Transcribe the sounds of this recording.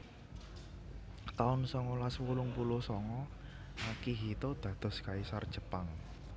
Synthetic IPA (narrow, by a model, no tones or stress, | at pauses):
t̪aʊnsɔŋɔlaswulʊŋpulosɔŋɔ | akiɦit̪od̪̥ä̤d̪̥ɔ̤skaisard̥ʒ̥ə̤paŋ